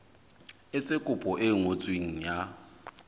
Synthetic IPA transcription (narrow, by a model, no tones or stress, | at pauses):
ɪt͡sʼekʼʊpʼɔʔɪŋot͡sʼweŋ̩ja